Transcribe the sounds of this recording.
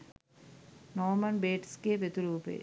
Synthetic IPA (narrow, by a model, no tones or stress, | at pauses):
nɔːmɐnbeːʈskeʋet̪uɾuːpḛː